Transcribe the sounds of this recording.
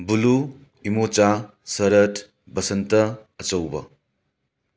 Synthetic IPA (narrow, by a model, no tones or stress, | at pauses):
bulu | imot͡ʃa | sɐɾɐtʰ | bɐsɐntɐːt͡ʃɐwbɐ